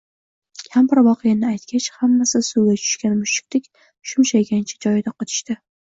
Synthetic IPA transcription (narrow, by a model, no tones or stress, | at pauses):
kʲʰampɪɾvɒqʰɨjanɪajt̪̚kʲʰat͡ʃhamːasɪsuɡʲat͡ʃʰʊ̥ʃkʲanmʊʃɪ̥k̚ʲt̪ʰɪkʲ | ʃʊnt͡ʃʰajɡʲant͡ʃʰḁd͡ʒɒjɪd̪aqʰɒt̪ʰɪ̥ʃt̪ɪ